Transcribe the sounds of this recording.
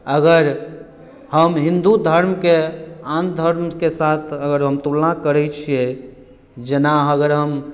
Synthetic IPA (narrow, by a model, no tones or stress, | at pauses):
əɡəɾ | həmɦĩnd̪ud̪ʱəɾmkeãnd̪ʱəɾmkesat̪ʰəɡəɾɦəmt̪ulnakəɾɛt͡ʃʰie | d͡ʒenaɦəɡəɾɦəm